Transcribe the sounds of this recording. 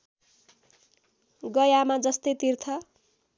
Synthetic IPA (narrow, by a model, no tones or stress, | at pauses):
ɡʌjamad͡zʌst̪ʌjt̪irt̪ʰʌ